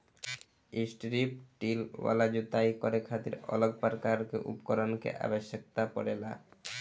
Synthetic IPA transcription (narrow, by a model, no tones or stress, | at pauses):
isʈɾip̚ʈilwa̰lad͡ʑut̪ajkɔɾekʰat̪iɾɔ̰loɡ̚paɾkaɾkḛʔṵpɔkɔɾonkḛʔa̰beʃːek̚t̪apɔ̰ɾela